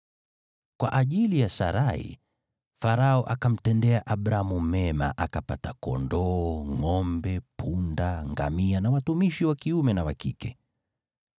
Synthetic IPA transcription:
kwa̰ʔaʄilijasa̰ɾaḭ | faɾaɔʔakam̩tɛndɛaʔaɓɾaamumɛma̰ʔakapatakɔ̰ndɔːŋɔmbɛpʰundaŋɡa̰mianawatumiʃiwakiumɛnawakikɛ

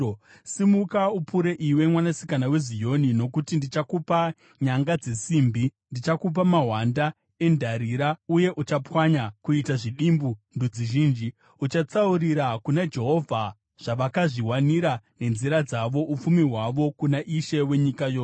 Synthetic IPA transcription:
simukaupuɾe̞ʔiwe̞mwanasi̥kanawe̞zijo̞nino̞kutindit͡ʃakupa | ɲaŋɡad͡ze̞siːmbi | ndit͡ʃakup̬amaɦwanda | e̞ndʱaɾiɾauje̞ʔut͡ʃapwaɲakuitaʐiɗimbundud͡ziʒiːnd͡ʒi | ut͡ʃat͡sauɾiɾakunad͡ʒe̞ɦo̞vʱa | ʐ̥aʋakaʐiwaniɾane̞nziɾad͡zaʋo̞ʔup͡fumiɦwaʋo̞kunaʔiʃe̞we̞ɲikajoːs

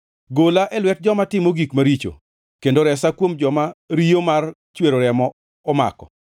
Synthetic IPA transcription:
ɡolaʔɛlwɛt̚d͡ʒɔmatɪmoɡikmaɾit͡ʃo̰ | kendoɾɛsakwomd͡ʒɔmaɾiomar | t͡ʃweɾoɾɛmɔ | ɔma̰kɔ̰

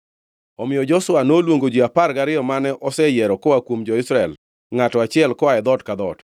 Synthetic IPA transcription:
ɔmɪjɔd͡ʒɔswanolwoŋɡod͡ʒiaparɡaɾɪɔmanɛʔɔsɛjɛɾɔkɔwakwomd͡ʒɔɪsɾaɛl | ŋatɔat͡ʃɪɛlkɔaɛd̪ɔtkad̪ɔt

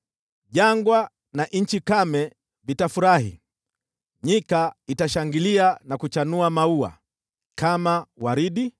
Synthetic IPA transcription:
ʄaŋɡwa | naʔɲ̩t͡ʃikamɛ | vitafuɾahḭ | ɲikaitaʃaŋɡilianakut͡ʃanuamaua̰ | kamawaɾiɗi

